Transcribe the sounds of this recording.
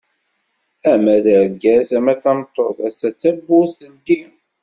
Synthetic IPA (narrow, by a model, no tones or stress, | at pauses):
æmæðəɾɡæsæmæθɑmt̪ˤːoθæsːæt͡sːæbːʊsənt̪im